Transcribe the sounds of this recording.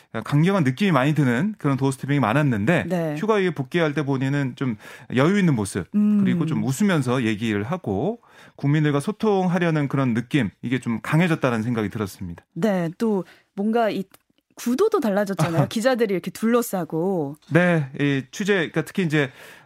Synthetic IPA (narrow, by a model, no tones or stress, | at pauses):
kaŋɡjʌŋanːɯk͈imimaɲidɯnɯnkɯɾʌntosʰtʰɯmjʌŋima̰nanːɯnde̞ne̞çjuɡaiɡepok̚k͈eɦaɭt͈e̞boɲenɯnt͡ɕom̰jʌjuinːɯnmosʰɯp̚kɯɾiɡot͡ɕomusʰɯmjʌns̬ʰʌje̞ɡiɾɯɭɦaɡ̥o | kuŋmindɯɭɡwasʰotʰoŋɦaɾjʌnɯnkɯɾʌnːɯk͈imiɡe̞t͡ɕomkaŋɦe̞d͡ʑʌt̚t͈aɾanɯnsʰeŋɡaɡitɯɾʌs͈ɯmɲid̥ane̞t͈o | mwʌŋɡai | kudodotaɭːad͡ʑʌt̚t͡ɕ͈anajokid͡ʑadɯɾiɾʌkʰe̞tuɭːʌs͈aɡone̞it͡ɕʰud͡ʑe̞ik͈atʰɯ̥kʰiind͡ʑe̞